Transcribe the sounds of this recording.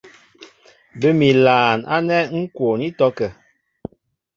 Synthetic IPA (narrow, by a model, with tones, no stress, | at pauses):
bə˦mi˨laː˨na̰˦nɛ˦ŋ̩˦kwo˨ni˦tɔ˦kɛ˨